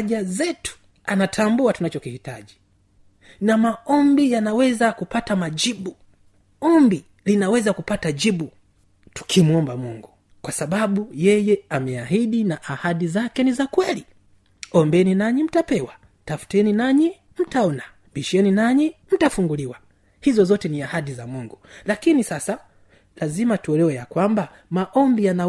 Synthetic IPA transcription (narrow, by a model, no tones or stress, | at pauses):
ʄazɛtu̥ | anatʰambuatunat͡ʃɔkihitaʄi | namaɔmbijanawɛzakupatamaʄiɓu | ɔmbi | linawɛzakupataʄiɓu | tu̥kʰimuɔmbamuŋɡu | kwasaɓaɓujɛjɛamɛaɦiɗinaʔahaɗizakɛnizakwɛli | ɔmbɛninaɲim̩tapɛwa | tafu̥tɛninaɲi | m̩taɔna | ɓiʃɛninaɲim̩tafuŋɡuliwa | hizɔzɔtɛniahaɗizamuŋɡulakinisasa | lazimatuɛlɛwɛjakwamba | maʔɔmbijana